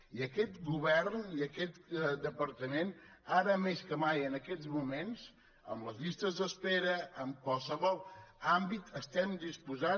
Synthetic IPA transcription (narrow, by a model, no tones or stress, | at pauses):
iəkɛt̪ɡuβɛrniəkɛt̪d̪əpəɾt̪əmenaɾəmeskəmajənəkɛd͡zmumenz | ə̰mləzʎist̪əzðəspeɾəəmkwalˠsəβɔlˠambit̪ʰəst̪ɛmd̪ispuza